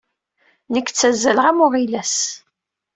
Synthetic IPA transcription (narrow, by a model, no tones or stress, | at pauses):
nəkːt͡sːæzːælʁæmʊʁilæs